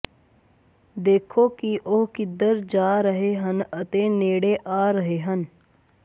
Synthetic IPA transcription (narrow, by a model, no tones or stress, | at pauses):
d̪eːkʰokiʔoɦkɪd̪əɾd͡ʒaːɾəɦeɦənət̪eneːɽeʔaːɾəɦeɦən